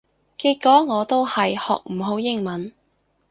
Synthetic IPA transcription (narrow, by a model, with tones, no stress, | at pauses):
kiː˧kːɔː˨˥ŋɔː˨˧t̪o˥whɐ˨jhɔ̰ː˨k̚m̩˨˩ɦo˨˥wjɪ˥ŋmɐ˨˥n